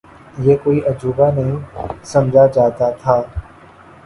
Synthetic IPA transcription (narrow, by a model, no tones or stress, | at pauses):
jeːkoːiʔɐd͡ʒuːbanɐɦĩsɐ̃md͡ʒʱad͡ʒaːt̪at̪ʰaː